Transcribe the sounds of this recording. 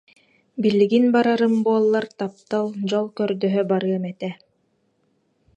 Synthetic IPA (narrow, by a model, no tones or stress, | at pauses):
bilːiɡinbaɾaɾɯmbuɔlˠːaɾt̪ap̚t̪alˠd͡ʑɔlˠkœɾd̪œɦœbaɾɯɐmɛt̪ɛ